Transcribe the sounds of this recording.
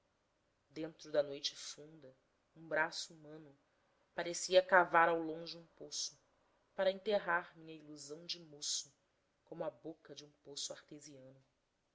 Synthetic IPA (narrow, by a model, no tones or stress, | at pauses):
d̪ẽnt̪ɾʊd̪ɐnojt͡ʃɪ̥fũnd̪ɐ | ũbɾasuumɐ̃nʊ | paɾesiɐkavaɾawlõd͡ʒɪũposʊ | paɾɐẽnt̪eɦaɾmĩɲɐiluzɐ̃w̃d͡ʒɪmosʊ | kõmʊɐbokɐd͡ʒɪũposʊaɾt̪eziɐ̃nʊ